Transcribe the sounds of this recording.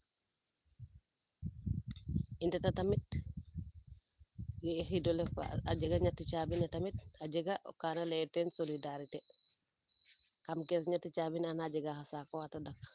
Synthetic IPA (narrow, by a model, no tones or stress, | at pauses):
intɐtatamit̚ | ɡexidolefa̰aɟeɡaɲatːit͡ʃaːbinatɐmitaɟɛɡaʔo̰kaːnalɛtɛnsolidaɾite | kamkɛsɲatːit͡ʃaːbinanaɟeɡahasakoatadak